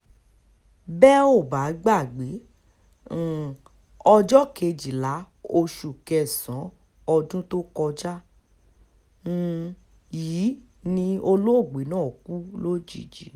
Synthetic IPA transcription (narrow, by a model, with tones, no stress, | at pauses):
bɛ˦o˦˨ba˨˦ɡ͡ba˦˨ɡ͡bẽ˨˦˨ | ɔ˧d͡ʒɔ˦ke˧d͡ʒi˨la˨˦ | o˧ʃu˨kɛ˧˨sã˨˦ | ɔ˧d͡ʒũ˦to˦kɔ˧d͡ʒa˦ | jiː˨˦ | nĩ˧o˧lo˦o˦˨ɡ͡be˨˦nãː˦˨ku˦lo˦d͡ʒḭ˦˨d͡ʒi˨